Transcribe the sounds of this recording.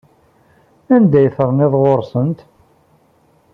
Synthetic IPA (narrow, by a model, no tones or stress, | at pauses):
ænd̪æjəθəɾˤnɪðˤʁoɾˤsənt̪